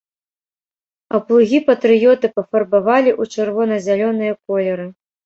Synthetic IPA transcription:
ɐplˠuɣʲipɐt̪ɾɨjɔt̪ɨpɐfɐrbavalʲiʔut͡ʂɨrvɔnɐzʲalʲɔnɨjɐkɔlʲɛɾɨ

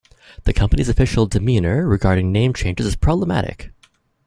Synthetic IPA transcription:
ðɨkʰʌ̃mpənizɨfɪʃl̩ˠdɨmĩnə˞ɹɨɡɑɹɾɪ̃ŋnẽɪ̃mt͡ʃʰẽɪ̃nd͡ʒəzɨz̥pʰɹ̥ɑbləmæ̰ɾɪ̰k

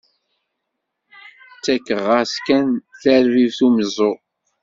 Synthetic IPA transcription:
t͡sːækːəʁəskænθæɾvivθumzo

